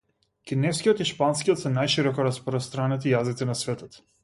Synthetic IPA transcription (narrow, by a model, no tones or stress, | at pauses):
kʲinɛfskijɔt̪iʃpanskijɔt̪sɛnajʃiɾɔkɔɾaspɾɔst̪ɾanɛt̪ijazit̪inasvɛt̪ɔt̪